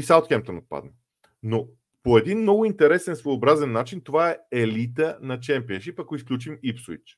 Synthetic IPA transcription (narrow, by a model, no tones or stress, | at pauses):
isaot̪kɛmp̚t̪onot̪̚pa̰d̪̚nə | no | poɛd̪inmnɔɡʊint̪ɛɾɛsɛnsvoːbɾazɛnːat͡ʃint̪ovaɛɛlit̪ənɐt͡ʃɛmpiənʃipɐkoisklʲut͡ʃimipsḭt͡ʃ